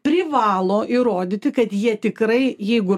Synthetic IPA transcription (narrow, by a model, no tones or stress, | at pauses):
pʲɾʲɪʋɑːlˠoːʔiɾoːd̪ʲɪt̪ʲɪkɐt̪jiɛt̪ʲɪkɾɐɪjɛɪɡʊ